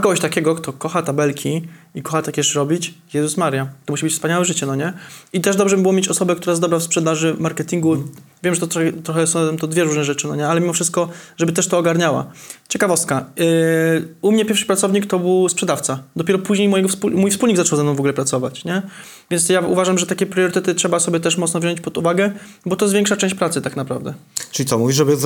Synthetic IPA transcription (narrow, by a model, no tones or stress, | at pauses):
kɔɡɔɕt̪akʲɛɡɔkt̪ɔkɔxat̪abɛlkʲiikɔxat̪akʲɛɕɾɔbʲit͡ɕjɛzusmaɾjat̪ɔmuɕibɘt͡ɕfspaɲawɛʐɘt͡ɕɛnɔɲɛit̪ɛʐd̪ɔbʐɛibɘwɔmʲjet͡ɕɔsɔbɛkt̪uɾajzd̪ɔbɾafspʂɛd̪aʐɘmaɾkɛt̪ʲiŋɡuvʲjɛmʐɛt̪ɔt̪ɔxt̪ɾɔxɛsɔ̃t̪ɔd̪vʲjɛɾuʐnɛʐɛt͡ʂɘnɔɲɛalɛmʲimɔfʂɘst̪̚kɔʐɛbɘt̪ɛʂt̪ɔːɡaɾɲawa̰t͡ɕɛkavɔst̪̚ka | umɲɛpʲjɛɾfʂɘ̥pɾat̪ɔvɲikt̪ɔbɘwspʂɛd̪aft̪sad̪ɔpʲjɛɾɔpuʑɲejmɔjɛɡɔfspumujfspulɲiɡzat͡ʂɔwzanɔ̃wvɔɡulɛpɾat̪sɔva̰t͡ɕɲɛ | vʲjɛnt̪jaṵvaʐamʐɛt̪akʲɛpɾɨjɔɾɘt̪ɛt̪ɘtʂɛbasɔbjɛt̪ɛʂmɔt̪ɔvʑɔɲt͡ɕpɔd̪uvaɡɛ | bɔt̪ɔzvʲjɛŋkʂat͡ʂɛ̃w̃ɕt͡ɕpɾat̪sɘt̪aknapɾa̰vd̪ɛʈ͡ʂɘlʲit̪ɔmuvʲiʐɛbɘ